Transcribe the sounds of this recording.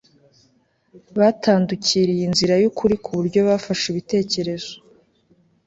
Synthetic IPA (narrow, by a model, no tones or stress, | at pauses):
βaːtaːnduciːɾijinziɾajukʰuɾikʰuβuɾɟo̞βaːfaʃiβite̞ːce̞ɾe̞zo̥